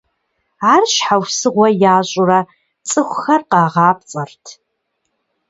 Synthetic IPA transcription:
aːrʃħawsɨʁʷɐjaːɕʼʊrɐ | t͡sʼɨxʷxɐrqɑːʁɑːp̚t͡sʼɐrtʰ

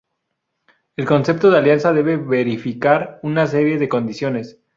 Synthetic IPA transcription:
e̞lko̞nse̞p̚t̪o̞ðealjansaðe̞βe̞βeɾifikaɾunas̬e̞ɾje̞ðe̞ko̞nd̪isjo̞ne̞s

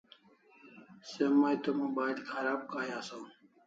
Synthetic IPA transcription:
semaːjt̪omũːbaːjlkʰɐɾaːb̚kaːjaːsaː

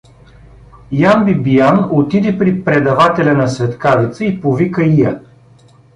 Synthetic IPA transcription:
janbibijanot̪id̪ɛpɾipɾɛd̪ɐvat̪ɛlʲɐnɐsvɛt̪kavit̪səipovikəijɐ

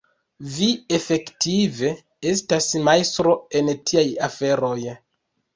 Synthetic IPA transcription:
vie̞fe̞ktʰive̞ | e̞s̬tasmajstɾo̞e̞ntʰiajafe̞ɾo̞j

